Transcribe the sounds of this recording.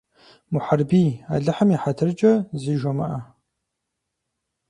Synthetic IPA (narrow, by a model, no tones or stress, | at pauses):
mʊħarbiːa̰ɮɨħɐmiħatʰɨrd͡ʒʼɐziːʒɔmɐ̰ʔɐ